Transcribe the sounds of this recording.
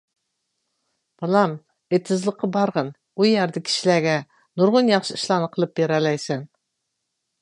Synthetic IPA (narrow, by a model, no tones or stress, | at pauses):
b̥ɑlˠɑm | et̪ʰːɨzlˠəqʰːɑbɑɾʁɑn | ujæɾd̪ɪkʲʰi̥ʃilæɡʲɛ | nuɾʁʊnjɑχʃɨiʃlˠɑnɨqʰəlˠɨp̚beɾɛlɛjsɛn